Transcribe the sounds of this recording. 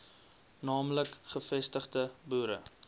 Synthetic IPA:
nɑːmləkχəfɛstəχdəbuːɾə̰

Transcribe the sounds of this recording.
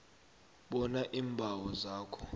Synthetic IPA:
ɓɔnaʔiːmbʱawɔzaːkʰɔ̥

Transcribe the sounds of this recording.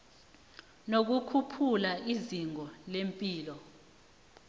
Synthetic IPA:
nok̬ukʰupʰulaiziŋɔlempʼiːlɔ

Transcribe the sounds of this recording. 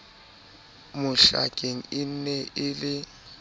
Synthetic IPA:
mʊɬa̰kʼeŋ̩ɪn̩nɛʔɪlɪ

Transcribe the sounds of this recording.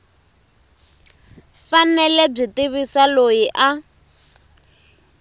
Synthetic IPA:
fanɛlɛb͡ʐitiβisalojiʔa

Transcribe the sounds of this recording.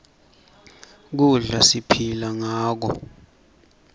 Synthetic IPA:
k̬uɮasipʰilaŋaːk̬ɔ

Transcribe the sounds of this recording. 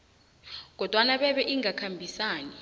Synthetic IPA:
k̬ɔd̥ʱwanaɓɛɓɛʔiŋakʰambʱisaːni

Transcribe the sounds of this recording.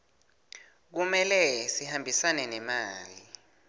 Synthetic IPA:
k̬umɛlɛsihambʱisanɛnɛmaːli

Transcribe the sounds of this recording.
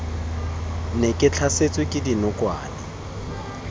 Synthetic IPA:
nɪkʼɪt͡ɬʰaset͡sʼwɪkʼɪdinʊkʼwaːnɪ

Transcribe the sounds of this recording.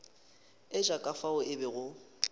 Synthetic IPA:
ɪʒakʼafaʊʔɪbɪɣʊ

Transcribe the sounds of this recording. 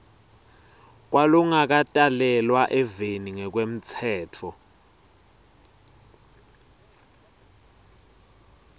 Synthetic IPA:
k̬waluŋak̬atʼalɛlwaʔɛveniŋɛk̬wem̩t͡sʰɛːtʰɔ

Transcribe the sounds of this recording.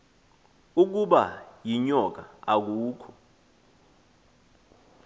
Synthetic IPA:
uk̬uɓa̰jiɲɔk̬a̰ak̬uːkʰɔ

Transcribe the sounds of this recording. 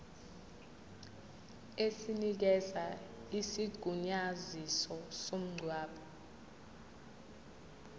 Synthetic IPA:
esinik̬ɛzaisiɡ̥ʱuɲazisɔsom̩ŋ͡ǀʱwaːɓʰɔ

